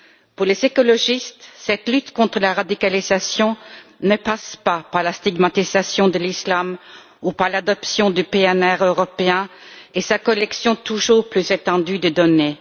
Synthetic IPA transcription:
puʁlezekɔlɔʒist̪sɛt̪lyt̪kɔ̃t̪χəlaʁad̪ikalizasjɔ̃nəpaspapaʁlast̪iɡmat̪izasjɔ̃d̪əlislam | upaʁlad̪ɔpsjɔ̃d̪ypeɛnɛʁøʁɔpeɛ̃esakɔlɛksjɔ̃t̪uʒuːʁplyzet̪ɑ̃d̪yd̪əd̪ɔne

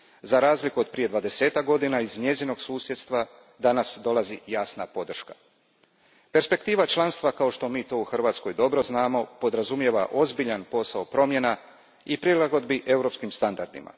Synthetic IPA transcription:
zaɾaːzlikuo̞d̪̚pɾije̞d̪ʋad̪e̞se̞ːt̪ak̚ɡo̞d̪inaizɲe̞zino̞ɡsuːsjet̪st̪ʋa | d̪anasd̪o̞lˠazijaːsnapo̞d̪r̩ʃka | pe̞ɾspe̞kt̪iːʋat͡ʃlˠanst̪ʋakao̞ʃt̪o̞miːt̪o̞uxr̩ʋaːt̪sko̞jd̪o̞bɾo̞znaːmo̞po̞d̪ɾazumje̞ʋaʔo̞zbiʎanpo̞saopɾo̞mje̞na | ipɾilˠaɡo̞d̪biʔe̞wɾo̞pskimst̪and̪aɾd̪ḭma̰

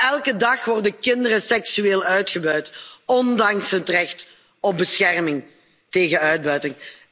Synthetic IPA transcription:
ɛlˠkədɑχʋɔrdəkɪndərəsɛksyeːlˠœɥtχəbœɥtɔndɑŋsɦətrɛxt | ɔp̚bəsxɛrmɪŋ | teːɣənœɥd̚bœɥtɪŋ

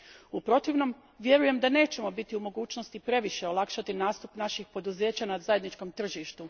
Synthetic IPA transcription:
upɾo̞t̪iʋno̞m | ʋje̞ɾuje̞md̪ane̞ːt͡ɕe̞mo̞bit̪iumo̞ɡuːt͡ɕnost̪ipɾe̞ʋiʃe̞olˠakʃat̪inaːst̪upnaʃixpo̞d̪uze̞ːt͡ɕanazajed̪nit͡ʃko̞mt̪r̩ʒiʃt̪u

